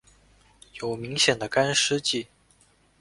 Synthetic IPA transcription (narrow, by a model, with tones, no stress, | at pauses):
jo˨˩ʊmi˧˥ŋɕjɛ˨˩nd̪ə˦ka˥nʂɻ̩˥t͡ɕi˥˩